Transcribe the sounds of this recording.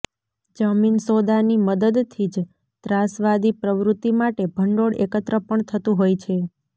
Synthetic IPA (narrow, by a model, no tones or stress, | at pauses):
d͡ʒəminsod̪animəd̪əd̪t̪ʰid͡ʒ | t̪ɾasʋad̪ipɾəʋɾut̪ːimaʈebʱəɳɖoɽekət̪ɾəpəɳt̪ʰət̪ũɦojt͡ʃʰe